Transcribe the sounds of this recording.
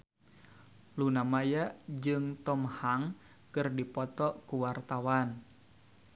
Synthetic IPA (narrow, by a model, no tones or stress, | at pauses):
lunamajad͡ʒɨŋt̪ɔmhaŋ | kɨrdipɔt̪ɔkuwart̪awan